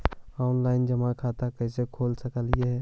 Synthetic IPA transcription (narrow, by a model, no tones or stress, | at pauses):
ɔːnlaɪnd͡ʒəmãkʰat̪akəisekʰolsəkəlijeɦɛ